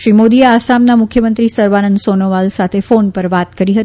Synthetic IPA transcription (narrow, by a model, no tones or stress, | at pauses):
ʃɾimod̪ieasamnamukʰjəmənt̪ɾisəɾʋanənd̪sonoʋalsat̪ʰefonpəɾʋat̪kəɾiɦət̪i